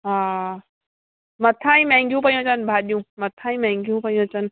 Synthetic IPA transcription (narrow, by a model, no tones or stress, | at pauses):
ɦaː | mɐt̪ʰãːĩːmẽŋɡjũpɐjõt͡ɕənbʱaːɗijũːmɐt̪ʰãːĩmẽŋɡʱjũpɐjõt͡ɕən